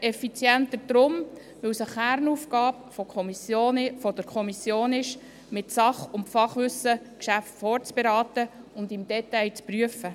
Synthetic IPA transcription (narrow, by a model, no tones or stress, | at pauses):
ʔɛfit͡sjɛnt̪əɾd̥ɾʊm | ʋɪwsəχæɾnuːfkɑːpfɔkʰɔmisjoːnɪfɔd̥əɾkʰɔmisjoːnɪʃ | mɪtsɑχʊmfɑχʋʏsːə | kʃæftfɔːrt͡sb̥ɛɾɑːt̪əʊnd̪ɪmd̥ɛtɛjt͡spryəfə